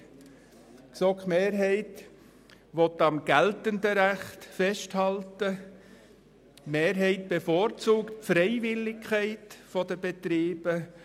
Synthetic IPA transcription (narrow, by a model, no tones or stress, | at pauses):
ksɔkmeːɾɦɛɪt | ʋɔt̪ːɑmɡ̥æltəndəɾæχtfɛʃthɑltə | meːɾɦɛɪt̚b̥efoːɾt͡suːktfɾɛɪvɪlːɪkʰχæɪtfɔd̥əbetɾiːbə